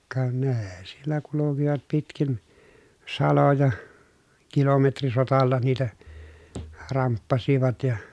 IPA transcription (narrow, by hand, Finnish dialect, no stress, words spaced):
kɑ neː sielːæ kulukiʋɑt pitkin sɑlojɑ kilometrisotɑlːɑ niːtæ rɑmpːɑsiʋɑt jɑ